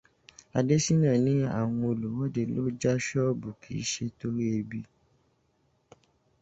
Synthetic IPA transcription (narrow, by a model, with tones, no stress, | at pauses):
a˧de˦si˦nã˦˨nĩ˦a̰˦˨w̃ɔ̃˧o˧lu˨wɔ˦de˦˨lo˦d͡ʒa˦ʃɔ˦bu˨kʰḭ˨˦ʃe˧to˦ɾi˦e˧bi˧